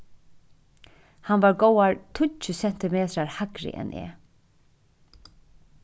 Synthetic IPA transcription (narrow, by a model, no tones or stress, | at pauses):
hanvaɹɡowaɹt̪ʰʊəsɛn̥t̪ɪmeːt̪ɾaɹhakɾɪ̰ʔɛ̰nʔɛ̰ː